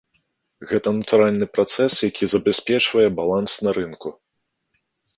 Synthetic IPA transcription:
ɣɛt̪ɐnɐt̪uɾalʲnɨpɾat̪sɛsjakʲizɐbʲɛsʲpʲɛt͡ʂvɐjɛbalˠansnɐɾɨnku

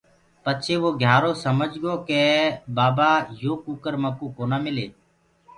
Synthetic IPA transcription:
pət͡ʃʰeːʋoːɡʱjaːɾoːsəməd͡ʒɡoːkeːbaːbaːjoːkuːkəɾməkuːkoːnaːmɪleː

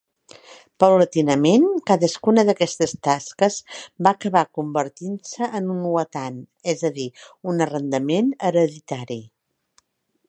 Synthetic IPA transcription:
pəwlət̪inəmenkaðəskunəðəkɛst̪əst̪askəzbaːkəβakumbəɾt̪insəʔənunuət̪anɛzəðiunərənd̪əmenəɾəðit̪aɾi

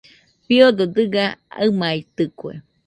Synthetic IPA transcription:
biod̪od̪ɨɡaamait̪ɨkʷḛ

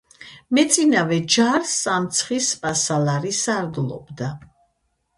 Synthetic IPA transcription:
mɛt̪sʼinavɛd͡ʒaɾsamt̪sʰχispʼasalaɾisaɾɡlˠɔ̰bd̪a

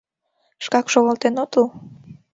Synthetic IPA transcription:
ʃkɑkʃoɣəlt̪enot̪ul

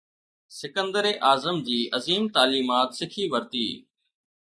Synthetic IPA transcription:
sɪkə̃nd̪əɾeːʔaːzəmd͡ʑiːʔəziːmt̪aːliːmaːt̪sɪkʰiːʋəɾt̪ḭː

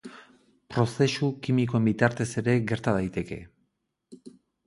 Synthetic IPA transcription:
pɾo̞se̞sukimikoembit̪aɾt̪e̞se̞ɾe̞ɣe̞ɾt̪aðajt̪e̞ke̞̰

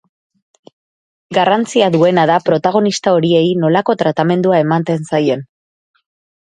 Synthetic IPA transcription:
ɡarant͡siaðue̞naðapɾo̞t̪aɣ̞o̞nist̪ao̞ɾie̞jno̞lako̞t̪ɾat̪ame̞nd̪uae̞mant̪e̞nsajo̞n

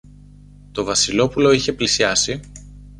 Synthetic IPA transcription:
t̪o̞vɐsilo̞pulo̞içe̞plisiɐsi

